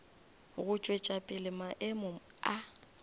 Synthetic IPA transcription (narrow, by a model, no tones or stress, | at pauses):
ɣʊt͡ʃʼwet͡ʃʼapʼɪlɪmaʔɪmʊ | a